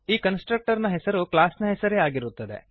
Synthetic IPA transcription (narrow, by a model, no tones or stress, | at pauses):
iːkɐnsʈɾɐk̚ʈɐɾnɐɦɛsɐɾuklaːsnɐɦɛsɐɾeaːɡiɾut̪ːɐd̪ḛ